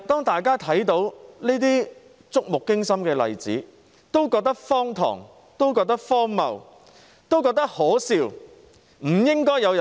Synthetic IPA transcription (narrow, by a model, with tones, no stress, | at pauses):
t̪ɔː˥ŋt̪aː˨jkaː˥t̪ʰɐ˨˥jt̪o˨˥wniː˥t̪iː˥ | t͡sʊ˥k̚mʊ˨kːɪ˥ŋsɐ˥mkɛː˧lɐ̰˨jt͡sḭː˨˥ | t̪o˥wkɔː˧k̚t̪ɐ˥k̚fɔː˥ŋt̪ʰɔ̰ː˨˩ŋ | t̪o˥wk̬ɔː˧k̚t̪ɐ˥k̚fɔː˥ŋmɐ̰˨w | t̪o˥wkɔː˧k̚t̪ɐ˥k̚hɔː˨˥siː˧w | m̩˨˩jɪ˥ŋkɔː˥jɐ˨˧wjɐ˨